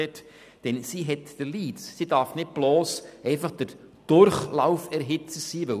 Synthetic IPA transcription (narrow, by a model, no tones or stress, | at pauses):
ɛt | d̥ɛnsiɦɛtd̥əliːssidɑɾfnɪt̚b̥lɔːsɛɪfɑχd̥əɾ | d̥ʊɾχlawfɛɾɦɪt͡səsiːʋɵ